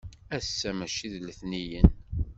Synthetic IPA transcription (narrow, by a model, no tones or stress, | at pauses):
æsːæmæʃiðləθnijən